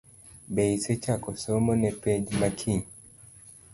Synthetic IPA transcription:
beisɛt͡ʃakɔsɔmɔnɛpɛd͡ʒmakʰi

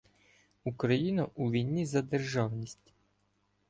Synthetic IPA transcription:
ukɾɐjinɐʔuʋʲijnʲːizɐd̪erʒɑwnʲisʲtʲ

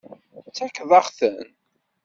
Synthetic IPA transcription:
t͡sːækðˤɑχθən

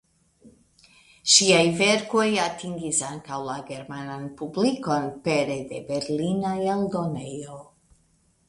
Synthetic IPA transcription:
ʃiajve̞ɾko̞jatiŋɡisaŋkawlaɡe̞ɾmananpubliko̞npeɾe̞de̞be̞ɾlinajaldo̞nejo

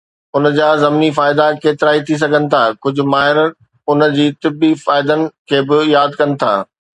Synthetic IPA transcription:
ʊnəd͡ʑaːzɐmnifaːɪd̪akeːt̪ɪɾaːit̪ʰis̬ɐɡʱənɪ̆t̪ʰaːkʊd͡ʑʱʊ̆maːɦɪɾə | ʊnə̆d͡ʑiːt̪ɪbːifaːɪd̪ənɪ̆kʰeːbɪjaːd̪kɐnɪ̆t̪ʰa̰ː

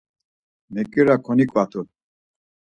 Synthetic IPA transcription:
mɛkʼiɾakʰɔnikʼvat̪ʰul

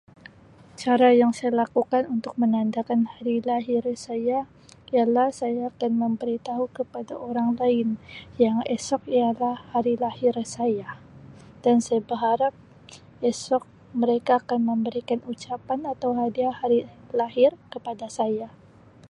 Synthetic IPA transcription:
t͡ʃaɾajaŋsajalakukanunt̪ʊk̚mənandakanhaɾilaɦɪrsaja | ijalahsajaːkanməmbəɾit̪aɦukəpada̰ʔoɾaŋlaɪnjaŋɛsɔk̚ialahhaɾilahɪrsaja | d̥ansajabəɦaɾap̚ | ɛsɔk̚ | məɾekaːkanməmbəɾikanut͡ʃapanat̪awɦadiahaɾilaɦɪrkəpadasaja

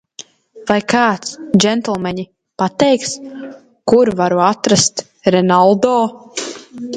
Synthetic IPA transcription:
vajkaːt̪sd͡ʒɛnt̪ɛlˠmɛɲi | pat̪ɛjks | kuɾvaɾuat̪ɾast̪ | ɾɛnalˠd̪ɔː

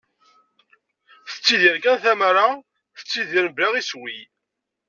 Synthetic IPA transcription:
θə̥t͡sːiðiɾkænθæmɾa | θə̥t͡sːiðiɾbaʁiswi

